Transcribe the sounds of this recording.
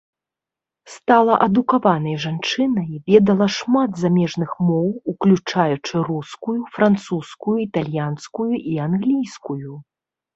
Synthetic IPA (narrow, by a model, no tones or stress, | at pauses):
st̪alˠɐʔɐd̪ukavanɐjʐant͡ʂɨnɐjvʲɛd̪ɐlˠɐʂmad̪zamʲɛʐnɨxmɔwuklʲut͡ʂajut͡ʂɨruskujufɾant̪suskujuit̪alʲjanskujuʔianɣlʲijskuju